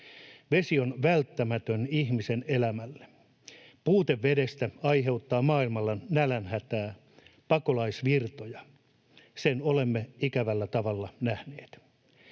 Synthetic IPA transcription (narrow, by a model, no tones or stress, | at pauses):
ʋesio̞nʋælt̪ːæmæt̪ønihmisenelæmælːe̥ | puːt̪eʋːedest̪æɑjɦe̞ut̪ːɑːmɑːilmɑlːɑnælænhæt̪æː | pɑkolɑisʋirt̪ojɑ | senole̞mːeikæʋælːæt̪ɑʋɑlːɑnæhneːt̪